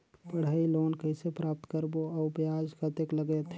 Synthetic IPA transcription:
pəɽ̤aːiloːnkəɪsepɾaːp̚t̪kəɾboəpjaːd͡ʒkət̪ekləɡet̪

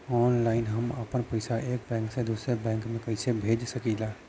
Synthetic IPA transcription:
ɔnlaɪnɦəməpənpəjsaʔek̚bɛ̃ŋksẽd̪usɾebɛ̃ŋkmekəɦsebʱed͡ʒsəkila

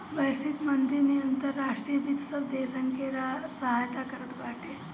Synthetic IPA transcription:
ʋəjsit̪mənt̪ɾinijənt̪əɾːaʂʈɾijəbit̪səʋd̪esəŋkeɾasəɦajt̪akəɾət̪ʋaʈe

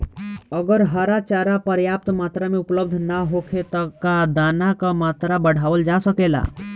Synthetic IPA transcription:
əɡəɾɦəɾat͡ʃaɾapəɾjap̚t̪mat̪ɾameupləb̚d̪ʱnaɦokʰet̪əkad̪anakəmat̪ɾabəɽ̤aʋəld͡ʒasəkela̰

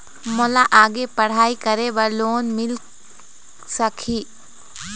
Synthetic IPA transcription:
mɔlaʔaːɡepɐɽ̤aːikɐɾebɐɾloːnmɪl | sɐkʰiː

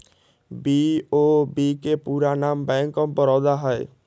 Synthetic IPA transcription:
biobikepuɾanambɛŋkɔmbɔɾɔd̪aɦɔe

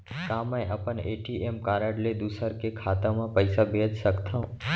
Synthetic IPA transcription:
kãːmə̃ʔɐpəneːʈiːeːmkaːɾəɽled̪uːsəɾkekʰaːt̪ãmãpəɪsabʱeːd͡ʒsəkt̪ʰã

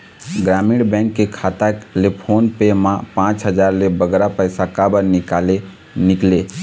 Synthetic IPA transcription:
ɡɾamiɽbɛ̃ŋkːekʰat̪alepʰonpemapãt͡ʃɦəd͡ʒaɾlebəɡɾapəjsakabənikale | nikle

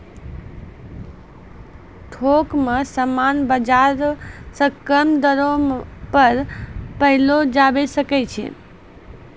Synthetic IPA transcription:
ʈʰokmesəmanbəd͡ʒaɾsə̃kəmd̪əɾõpəɾpəɦilod͡ʒabesəkɛt͡ʃʰɛ̰

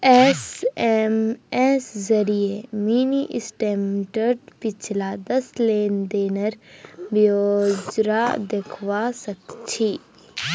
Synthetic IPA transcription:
ɛːsɛmɛːszɐɾiemiːniʔɪsʈeːmʈəɾɖpɪt͡ʃʰlad̪ɐsleːnd̪eːnəɾbod͡ʒɾad̪ekʰʋasɐkt͡ʃʰiː

